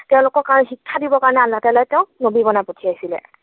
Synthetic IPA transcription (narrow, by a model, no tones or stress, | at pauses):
tɛʊ̃lʊkɔɹkaɹɔnɛxikʰːadibɔkaɹɔnɛalːatalɔjtɛʊ̃nobibɔnapotʰiajsilɛ̰